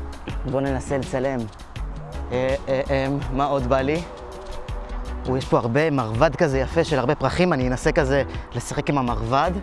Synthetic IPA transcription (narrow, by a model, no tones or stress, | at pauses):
bo̞ne̞naselet͡sale̞m | eeʔemːao̞d̪bali | ujeʃpo̞aʁbe̞maʁvad̪kazejafeʃelhaʁbe̞pʁaχimanijenase̞kaze̞le̞sḁχe̞kimamaʁvad̪